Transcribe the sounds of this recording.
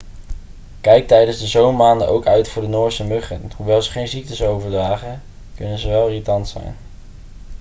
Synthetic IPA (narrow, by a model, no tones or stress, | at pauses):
kɛjk̚tɛjdənzdəzowmmaːndənʔowkœɥtfʊːɹdənʊːɹsəmɵχənɦuʋɛlˠzəχejnzik̚təsowvəɹdraːχən | kɵnənzəʋɛlˠritɑntsɛ̰jn